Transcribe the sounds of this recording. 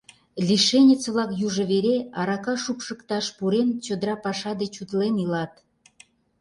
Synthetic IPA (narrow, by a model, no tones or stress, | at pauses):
lʲiʃenʲit͡sβlɑkjuʒɤ̆βeɾeɑɾɑkɑʃupʃə̆kt̪ɑʃpuɾent͡ɕod̪əɾɑpɑʃɑd̪et͡ɕut̪lenilɑt̪